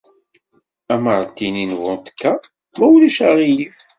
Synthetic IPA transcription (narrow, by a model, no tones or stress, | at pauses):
æməɾˤt̪ːininvʊnt̪ə̥kːa | mæwliʃaʁijif